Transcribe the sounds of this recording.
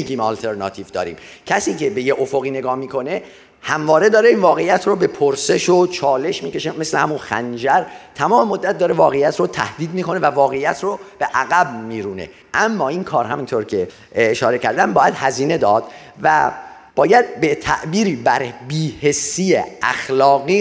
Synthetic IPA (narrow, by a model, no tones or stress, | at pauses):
iɡiːmɒːlt̪ʰeɾnɒ̰ːt̪ʰiːvd̪ɒ̰ːɾḭːmcʰæsiːcʰe̞be̞jeʔofoɣiːne̞ɡɒːhmiːkʰo̞ne̞ | hæmvɒːɾe̞d̪ɒːɾe̞iːnvɒːɣejːæt̪ʰɾobe̞pʰoɾse̞ʃot͡ʃʰɒːle̞ʃmiːce̞ʃeme̞slehæmunxæ̰nd͡ʒæɾt̪ʰæmɒːmemo̞d̪ːæt̪̚d̪ɒːɾe̞vɒːɣejæt̪ɾot̪ʰæ̰hd̪iːd̪miːko̞ne̞vævɒːɣe̞jːæt̪ʰɾob̥e̞ʔæɣæbmiːɾuːne̞̰ | ʔæmːɒːinkʰɒːɾɦæmint̪ʰoɾcʰe̞ː | ʃɒːɾecʰæɾd̪æmbɒːjæd̪hæziːne̞d̪ɒːd̪̥ | væ̰ | b̥ɒːjæd̪̚bet̪ʰæ̰ʔbiːɾiːbæɾbiːhe̞sːijḛʔæ̰xlɒːɣiː